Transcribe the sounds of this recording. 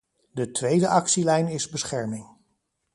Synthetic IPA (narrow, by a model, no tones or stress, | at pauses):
dətʋejdəʔɑksilɛjnɪzbəsχɛɹmɪŋ